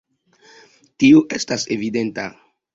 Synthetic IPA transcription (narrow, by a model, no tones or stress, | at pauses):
tiuʔestasevide̞nta̰